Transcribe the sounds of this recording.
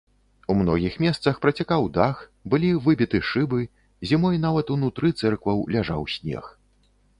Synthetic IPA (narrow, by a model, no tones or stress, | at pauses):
umnɔɣʲixmʲɛst̪sɐxpɾɐt͡sʲakawd̪axbɨlʲivɨbʲit̪ɨʂɨbɨ | zʲimɔjnavɐt̪unut̪ɾɨt̪sɛrkvɐwlʲaʐa̰wsʲnʲɛ̰x